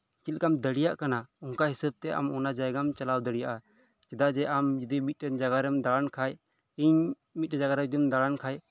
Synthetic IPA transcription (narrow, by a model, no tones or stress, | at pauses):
t͡ʃilkamd̪əɽijaʔkanauŋkaɦisəb̚t̪ɛʔa̰mɔnad͡ʒajɡamt͡ʃɐlawd̪əɽijaʔa | t͡ʃɛd̪ad͡ʒɛʔamd͡ʒɛd̪imit̪̚ˀɛd͡ʒaɡaɾɛmd̪aɽankʰaj | iɲ | mit̪̚ɛd͡ʒaɡaɾɛd̪imd̪aɽankʰaj